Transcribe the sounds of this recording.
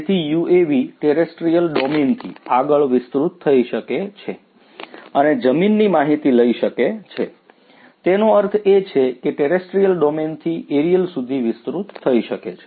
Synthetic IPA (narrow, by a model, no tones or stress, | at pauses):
t̪ʰijueʋiʈeɾesʈɾijəlɖɔment̪ʰḭaɡəɭʋɪst̪ɾut̪ʰːəiʃəket͡ʃʰe | əned͡ʒəminːimaɦit̪iləiʃəket͡ʃʰe | t̪enoəɾt̪ʰet͡ʃʰekeʈeɾesʈɾijəlɖɔment̪ʰiʔeɾijəlsud̪ʱiʋɪst̪ɾut̪ʰːəiʃəket͡ʃʰe